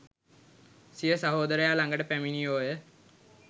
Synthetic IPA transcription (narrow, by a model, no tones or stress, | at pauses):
sijəsaɦoːd̪əɾəjaːlaŋɡəʈəpæminioːjə